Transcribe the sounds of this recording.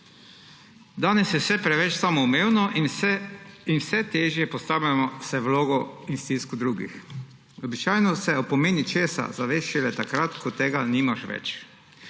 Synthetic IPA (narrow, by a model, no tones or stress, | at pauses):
d̪aːnɛsjɛwsɛpɾɛʋɛt͡ʃsamɔumeːwnɔʔ | inwsɛt̪eːʒjɛpɔst̪aːwʎʲamɔsɛwloːɡɔinst̪iskud̪ɾuːɡḭx | ɔbit͡ʃaːjnɔsɛopomeːnit͡ʃeːsa̰zaʋeːʃt͡ʃilɛt̪akɾat̪kɔt̪ːeːɡanimaʃʋɛ̰t͡ʃ